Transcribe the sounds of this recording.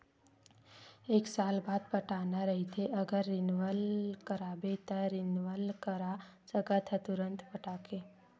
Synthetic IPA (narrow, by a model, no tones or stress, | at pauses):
eːksaːlbaːd̪pəʈaːnaɾəɦit̪ʰeʔəɡəɾːɪnʋəlkəɾabet̪əɾɪnʋəlkəɾa | səɡət̪ʰət̪ʊɾə̃nt̪pəʈaːke